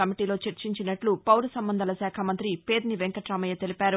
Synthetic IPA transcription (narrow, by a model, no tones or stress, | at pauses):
ɐmiʈiːlo̞ːt͡ʃɐɾt͡ʃiɲt͡ʃinɐʈlupɐwɾusɐmbɐnd̪ʱɐlɐsaːkʰɐmɐnt̪ɾipe̞ːd̪niʋeŋkɐʈɾaːmɐjɐt̪elipaːɾu